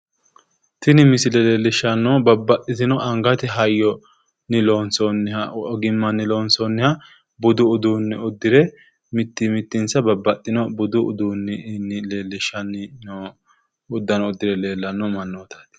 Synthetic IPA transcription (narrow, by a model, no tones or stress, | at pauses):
t̪ɪnɪmɪsɪlɛleːlːɪʃːɐnːɔbɐbːɐt̪ʼːɪt̪ɪnɔʔɐŋɡɐt̪ɪɦɐjːɔ | nɪloːnsɔnːɪhɐɡɪmːɐnːɪloːnsɔnːɪhɐ | bʊd̪ʊʊd̪uːnːɛʊd̪ːɪɾɛ | mɪt̪ːɪmɪt̪ːɪnsɐbɐbːɐt̪ʼːɪnɔbʊd̪ʊʔʊ̰d̪uːnːɪnːɪleːlːɪʃːɐnːɪnɔ | ʊd̪ːɐnɔɔd̪ːɪɾɛle̞ːlːɐnːɔmɐnːoːt̪ɐt̪ɪ̥